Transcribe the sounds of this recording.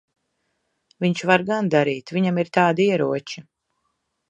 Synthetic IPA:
viɲt͡ʃvaɾɡand̪aɾiːt̪viɲamiɾt̪aːd̪aiɛɾuɔt͡ʃi

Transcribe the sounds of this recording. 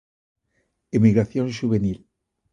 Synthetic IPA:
emiɣɾaθjonʃuβenil

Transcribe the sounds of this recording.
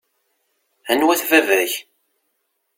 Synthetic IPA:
ænwæθvævæç

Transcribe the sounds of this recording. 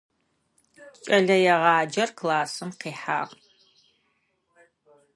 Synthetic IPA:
t͡ʃʼɐɮɐjɛʁɑːd͡ʒɐrkʰlaːsɨmqiːħa̰ːʁ

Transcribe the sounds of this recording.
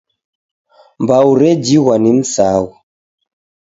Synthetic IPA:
mbauɾɛd͡ʒiwanin̩sawɔ

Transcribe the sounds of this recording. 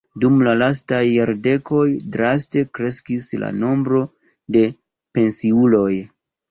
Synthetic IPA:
dumlalastajːaɾde̞ko̞jdɾaste̞kɾe̞skisla̰no̞mbɾo̞ | de̞ | pe̞nsiulo̞j

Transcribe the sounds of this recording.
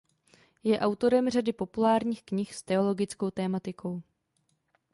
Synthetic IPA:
jɛʔawt̪o̞ɾɛmr̝adɪpo̞pulaːɾɲiːxkɲɪxst̪ɛo̞lo̞ɡɪt͡sko̞wt̪ɛːmat̪ɪkʰo̞w

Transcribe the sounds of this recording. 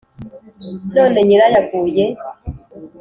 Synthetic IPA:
no̞ːne̞ɲiɾajaɡuːje

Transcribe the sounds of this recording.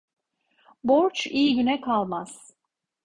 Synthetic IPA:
boɾt͡ʃʰijiɟynɛkʰalˠmaz̥

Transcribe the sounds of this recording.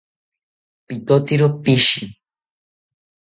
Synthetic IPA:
pit̪ot̪iɾopiʃi

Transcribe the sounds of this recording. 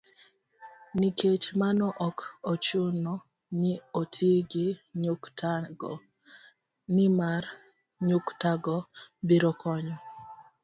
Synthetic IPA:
niket͡ʃmanɔʔɔkot͡ʃʊnɔ | nɪotʰiɡɪɲ | nɪmar | ɲʊktaɡɔbiɾɔkɔɲɔ

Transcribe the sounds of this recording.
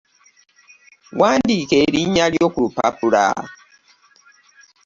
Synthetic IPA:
wandikeɾiɲaljokupa̰puɾa̰

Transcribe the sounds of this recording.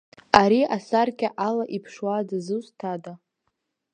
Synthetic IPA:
aɾiasarkʲʼaʔalaʔipʰʂwadazɨstʰada

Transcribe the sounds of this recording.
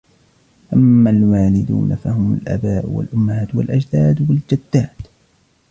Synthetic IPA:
ʔamːalwaːlɪd̪ṵːnafahʊmʊ̰lʔa̰baːʔwa̰lʔʊmːahaːt̪walʔad͡ʒd̪aːd̪wald͡ʒad̪ːaːt̪

